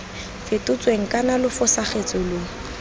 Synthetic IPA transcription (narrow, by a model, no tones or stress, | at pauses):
fɪtʼʊt͡sʼweŋ̩kʼanalʊfʊsaχet͡sʼɔlo